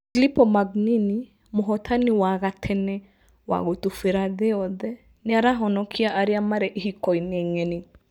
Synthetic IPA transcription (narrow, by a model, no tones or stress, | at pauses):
filipɔmaɡnini | moɦɔt̪ʰaniwaɣatʰɛnɛ | wa̰ɣot̪ufeɾaðeɔðɛ | neaɾaɦɔnɔkʰiaʔaɾiamaɾɛʔiɦikɔinɛŋɛni